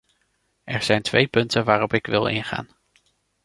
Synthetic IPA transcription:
ɛɹz̥ɛjntʋejpɵntənʋaːrɔpɪkʋɪlˠɪ̰nχa̰ːn

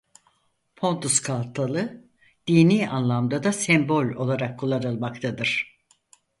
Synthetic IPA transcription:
pʰo̞nt̪ʰuskʰalˠt̪ʰalˠɯ | d̪̥iːniːanlˠamd̪ad̪asɛmbo̞lʲo̞̰lˠaɾakʰːulˠaɾɯlˠmakt̪ʰad̪ɯɾ̝̥

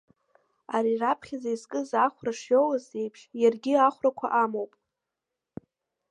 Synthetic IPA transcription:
aɾirapʰχʲazaizkʼɨzaχʷraʂjolazejpʰʂʃjarɡʲɪaχʷrakʷʰa̰ʔamowpʼ

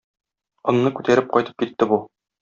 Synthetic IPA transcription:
ŏŋnɤkʉt̪æɾɘp̚qɒjt̪ɤ̥p̚kit̪ːɘbu

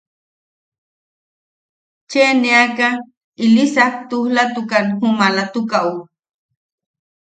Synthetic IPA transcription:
t͡ʃeneaka | ilisak̚t̪uhlat̪ukanhumalat̪ukau

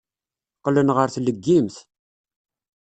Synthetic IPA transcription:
qlənʁəɾθləɡːimθ

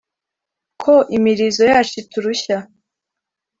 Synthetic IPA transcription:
kʰoʔimiɾizo̞jaːt͡ʃutuɾuça

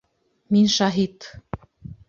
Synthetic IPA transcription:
minʃɑɦit̪

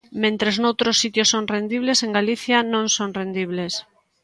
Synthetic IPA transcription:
mẽnt̪ɾeznowt̪ɾosːit̪josːoŋrend̪iβlesẽŋɡaliθjanõŋsonrend̪iβles

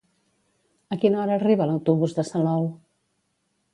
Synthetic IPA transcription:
əkinɔɾəːriβələwt̪uβuzðəsəlɔw

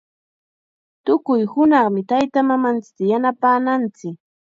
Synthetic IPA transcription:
t̪ʊkʊjhʊnɑχmɪt̪ajt̪amamant͡sɪ̥k̚t̪ajanapaːnant͡sɪk̚

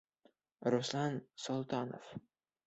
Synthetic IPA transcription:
ɾoslˠɑnsolˠt̪ʰɑno̰f

